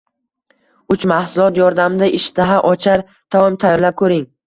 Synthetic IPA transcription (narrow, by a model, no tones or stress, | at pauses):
ʊt͡ʃmahsʊlˠɒt̪jɒɾd̪amɪd̪aʔɪʃt̪ʰaɦaʔɒt͡ʃʰaɾ | t̪ʰawɒmt̪ʰajɒɾlap̚kʰɵɾɪŋ